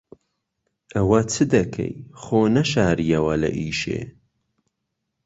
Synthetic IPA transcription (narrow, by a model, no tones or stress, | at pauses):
ʔɐwɐt͡sʰɨd̪ɐkʰɐ̰jxoːnɐʃaːɾijɐwɐlɐ̰ʔiːʃḛː